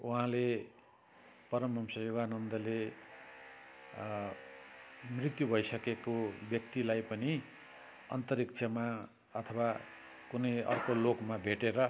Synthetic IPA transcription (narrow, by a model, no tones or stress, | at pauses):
uɦãle | pʌɾʌmːʌmsʌjoɡanʌnd̪ʌle | mrit̪jubʱʌisʌkekobjʌk̚t̪ilajpʌni | ʌ̰nt̪ʌɾik̚t͡ʃʰʌma | ʌt̪ʰʌwa | kunʌjʌ̰rkolokmabʱeʈeɾʌ